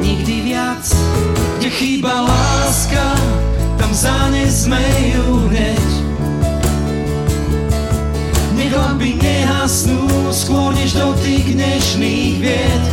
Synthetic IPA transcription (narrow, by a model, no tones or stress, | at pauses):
ɲiɡd̪ivɪa | t͡s | ɲɛxiːbalaːskat̪amzaɲɛzmɛjuɦɲɛc | ɲɛɡɔbiɲɛɦasnuskwʊɔɾɲɛʒd̪ɔt̪iːɣd̪ɲɛʃniːɣʋɪɛt̪